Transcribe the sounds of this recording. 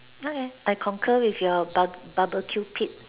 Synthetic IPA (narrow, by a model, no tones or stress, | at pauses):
okeajkʰɔ̃ŋkʰəwifjɔbbabəkʰjupʰit̚